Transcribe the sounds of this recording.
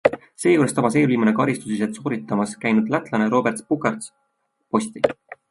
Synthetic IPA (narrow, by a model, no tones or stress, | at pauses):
se̞ːjuːɾest̪ɑmɑs̬eoliːmunekɑɾist̪usiset̪so̞ːɾit̪ːˑɑmɑskæjnud̪̥læt̪ˑlɑne̞ɾo̞ːbe̞rt̪spukˑɑrt̪s | po̞st̪i